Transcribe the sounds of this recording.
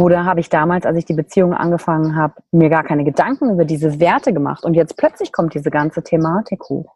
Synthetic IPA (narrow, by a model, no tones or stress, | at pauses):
oːɾɐɦaːbəɪçd̥aːmaːlsa̰lsɪçd̥iːbət͡siːʊŋənʔa̰nɡəfaŋənɦaːbəmiːɐɡaːɐkʰaɪnəɡədaŋkŋ̩yːbɐdiːzəveːɐtəɡəma̰χtʊntjɛt͡st̚pl̥œt͡slɪçkʰɔmtd̥iːzəɡant͡sətʰemaːtʰɪkho̰ːx